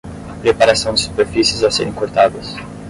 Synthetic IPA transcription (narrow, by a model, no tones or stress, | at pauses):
ɐpɾepaɾasɐ̃w̃d͡ʒ̪ɪsu̥peɾfisɪzasḛɾẽŋkoɾt̪ad̪ɐs